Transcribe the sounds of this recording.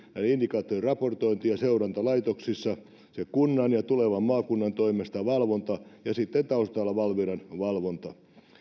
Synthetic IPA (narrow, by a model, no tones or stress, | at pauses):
nænindikɑːt̪ːorirɑport̪oint̪ijɑseurɑnt̪ɑlɑit̪oksisːɑ | sekunːɑnjɑt̪uleʋɑmmɑːkunːɑnt̪oimest̪ɑʋɑlʋont̪ɑjɑsit̪ːent̪ɑust̪ɑːlːɑʋɑlʋiɾɑnʋɑlʋont̪ɑ